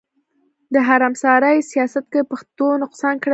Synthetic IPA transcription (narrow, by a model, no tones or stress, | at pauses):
d̪əɦaɾamsɑɾajsijɑsat̪̚kepaxt̪onʊqsɑnkɽə